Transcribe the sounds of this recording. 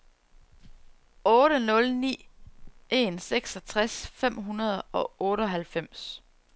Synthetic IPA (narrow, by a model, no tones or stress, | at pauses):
ɔːɾ̥ənɔ̽lnḭː | e̝nseɡ̥sɒt͡sʰʁasfem̰ɦunɐð̞ˠɒ̽ɔ̽ːɾəɒɦælfem̰s